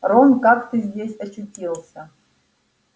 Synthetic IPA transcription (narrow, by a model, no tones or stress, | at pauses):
ronkakt̪ɨzʲdʲesʲɐt͡ʃutʲilˠsʲɐ